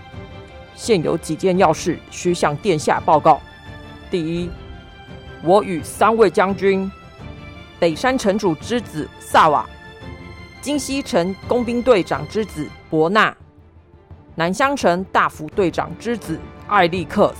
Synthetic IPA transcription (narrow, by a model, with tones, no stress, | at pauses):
ɕjɛ˥˩njo̰˧˥ʊt͡ɕi˨˩t͡ɕjɛ˥˧njɑ˥˧ʊʂɻ̩˥˩ɕy˧˥ɕjɑ˨˩ŋt̪jɛ˥˧nɕja̰˥˧pɑ˥˧ʊkɑ˥˩ʊ | t̪i˥˩i˥ | wɔ˧˥˦ʔy˨˩sa˥nwe˥˩ɪt͡ɕjɑ˥ŋt͡ɕy˥n | pe˨˩ɪʂa˥nʈ͡ʂʰə˧˥nʈ͡ʂu˨˩ʈ͡ʂɻ̩˥t͡sɹ̩˨˩sa˥˩wa̰˨˩ | t͡ɕi˥ŋɕi˥ʈ͡ʂʰə˧˥ŋkʊ˥ŋpi˥ŋt̪̬we˥˩ɪʈ͡ʂɑ̰˨˩ŋʈ͡ʂɻ̩˥t͡sɹ̩˨˩pwɔ˧˥na˥˩ | na˧˥nɕjɑ˥ŋʈ͡ʂʰə˧˥ŋt̪a˥˩fu˧˥t̪we˥˩ɪʈ͡ʂɑ̰˨˩ŋʈ͡ʂɻ̩˥t͡sɹ̩˨˩a˥˧ɪli˥˧kʰɤ˥˧˩